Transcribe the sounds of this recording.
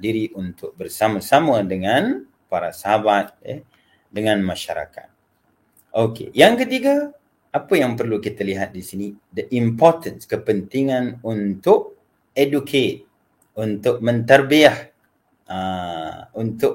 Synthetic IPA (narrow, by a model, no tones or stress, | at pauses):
diɾiʔunt̪ʊk̚bərsamasamadəŋãn | paɾa̰saɦabat̪̚jɛ̰ | dəŋanmaʃa̰ɾa̰ka̰t̪̚ | ʔokḛjaŋkət̪iɡa | apajaŋpərlukit̪aliɦat̪̚disinidəʔimpɔt̪ənskəpənt̪iŋãnunt̪ʊʔ̚ | edukʰet̪̚ | unt̪ʊk̚mə̃nt̪ərbiah | ə | unt̪ʊʔ